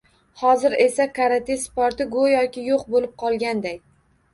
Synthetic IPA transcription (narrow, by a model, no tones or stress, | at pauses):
hɒzɪɾe̞sakʰaɾat̪ʰe̞spɒɾt̪ɪɡojɒkʲɪjoqbolɪp̚qʰɒlˠɡʲand̪ajʲ